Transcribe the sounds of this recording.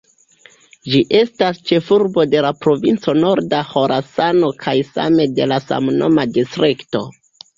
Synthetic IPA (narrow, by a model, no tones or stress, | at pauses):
d͡ʒiʔe̞stast͡ʃe̞fuɾbo̞de̞lapɾo̞vint͡so̞no̞ɾdaho̞ɾʔasano̞kʰajsa̰me̞de̞lasa̰mno̞̰madistɾikto̞